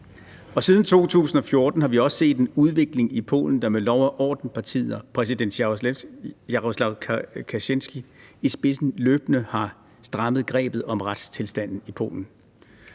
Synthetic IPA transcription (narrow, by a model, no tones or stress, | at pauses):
ɒ̽sið̞ˠn̩t͡sʰo̝̰ːt͡sʰṵːsn̩ɒ̽fjo̝ɐd̥n̩hɑ̈ʋiɒ̽sse̝̰ːd̥enuðˠʋe̝ɡ̥le̝ŋipʰo̝̰ːln̩d̥ɑ̈melɒʊɐʔɒ̰ːd̥n̩pʰɑ̈t͡sʰḭːð̩ˠɒpʰʁɛs̬id̥en̰d̥ɑ | oslɑʊkʰæɕensɡ̥iisb̥e̝sn̩løːb̥nəhɑ̈ | sd̥ʁɑ̈məðˠɡ̥ʁɛ̰ːb̥ð̩ˠɒ̽mʁad̥st͡sʰe̝lsd̥æn̰n̩ipʰo̝̰ːln̩